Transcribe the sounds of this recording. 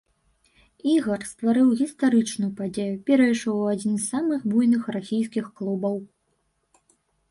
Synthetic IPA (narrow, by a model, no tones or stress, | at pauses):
iɣɐrst̪vaɾɨwɣʲist̪aɾɨt͡ʂnʊjʊpad͡zʲejupʲɛɾɐjʂɔwad͡zʲinzːamɨxbujnɨxrasʲijskʲixklˠubɐw